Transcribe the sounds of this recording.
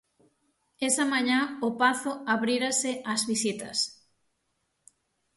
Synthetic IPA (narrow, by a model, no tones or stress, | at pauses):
esamãɲãʊpaθʊaβɾiɾasɪazβisit̪ɐ̰s